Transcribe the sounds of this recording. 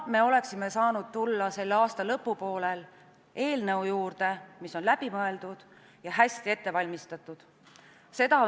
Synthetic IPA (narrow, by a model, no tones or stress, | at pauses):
me̞o̞le̞ksime̞sɑːnud̪̥̚t̪ulːɑse̞lːɑːst̪ɑlɤ̞pːˑupo̞ːlel | e̞ːlneujuːrd̪̥e̞miso̞nlæb̥imɤe̞ld̪̥ud̪̥ | jɑɦæsʲt̪ie̞t̪ːe̞vɑlʲmist̪ɑt̪ːˑud̪̥ | se̞d̪ɑ